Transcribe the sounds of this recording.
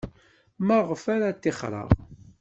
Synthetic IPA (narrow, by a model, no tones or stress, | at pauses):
məʁfaɾat̪ːɪχɾˤɑ̰ʁ